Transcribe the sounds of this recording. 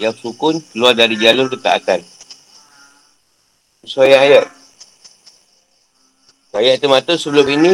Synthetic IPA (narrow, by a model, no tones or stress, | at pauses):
jaŋsukʊnkəluardaɾid͡ʒalʊnkət̪a̰ʔa̰tan | əsojaajat̪̚ | wajaʔ̚t̪əmat̪əsəbəlʊminĩ